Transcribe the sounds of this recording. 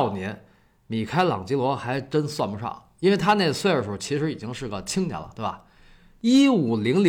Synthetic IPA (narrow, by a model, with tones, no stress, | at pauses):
ʊnjɛ˧˥n | mi˨˩kʰa˥ɪlɑ̰˨˩ŋt͡ɕi˥lwɔ˧˥xa˧˥ɪʈ͡ʂə˥nswa˥˩npu˧˥ʂʰɑ̰˥˩ | i˥nwe˥˩ɪt̪ʰa˥ne˥˧ɪə˧˩swe˥˩ɪə˩ʂ̩˥˩˥t͡ɕʰi˧˥ʂɻ̩˧˥i˨˩t͡ɕi˥ŋʂɻ̩˥˩ɡə˩t͡ɕʰi˥ŋnjɛ̰˨˩lə̰˩t̪we˥˩bɐ˩ | i˥u˨˩li˧˥ŋl